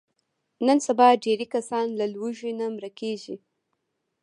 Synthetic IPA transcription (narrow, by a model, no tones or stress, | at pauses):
nənsabɑɖeɾikasɑnlalwuʒinamɾakeʒi